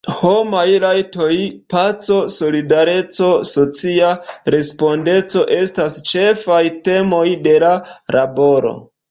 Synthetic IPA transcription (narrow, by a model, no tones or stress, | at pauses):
homajlajto̞jpat͡so̞so̞lidaɾe̞t͡so̞so̞t͡siaɾe̞spo̞nde̞t͡so̞ʔe̞stast͡ʃe̞fajte̞mo̞jde̞laɾabo̞ɾo̞̰